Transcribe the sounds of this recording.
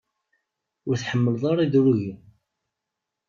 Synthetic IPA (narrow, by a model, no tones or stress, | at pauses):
ʊɾθħəmːəlðˤɑɾˤiðɾuʝi